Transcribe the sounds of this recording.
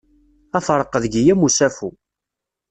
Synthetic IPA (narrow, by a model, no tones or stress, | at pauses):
æθɾˤəqːəðɡijæmusæfu